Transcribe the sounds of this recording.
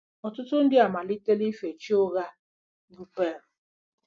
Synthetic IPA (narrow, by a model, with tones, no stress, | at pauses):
ɔ˨tʊ˦tʊ˦n̩˦dɪ˦a˨ma˨li˦te˦li˦fe˨t͡ʃi˦o˦ɣa˦ | nu˦pe˦ɾ